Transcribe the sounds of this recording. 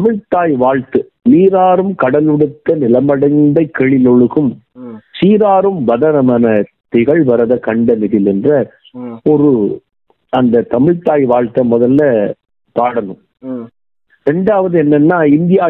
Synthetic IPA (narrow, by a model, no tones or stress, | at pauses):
t̪ɐmɪɻt̪aːjʋaːɻt̪ɯ | niːɾaːɾɯmkɐɽɐlʋɪɽɯt̪ːɐnɪlɐmɐɽɐɪnd̪ɐɪkːɛɭɪlɔɭɯɣɯm | siːɾaːɾɯmʋɐðɐnɐmɐnɐt̪ːɪɣɐɭʋɐɾɐðɐkɐɳɖɐnɪðɪlɛndrɐ | ɔɾɯ | ɐnd̪ɐt̪ɐmɪɻt̪aːjʋaːɻt̪ːɐmɔðɐlːɐ | p̪aːɽɐnɯm | ɾɛɳɖaːʋɐðɯɛnːɛnːaːɪnd̪ɪjaː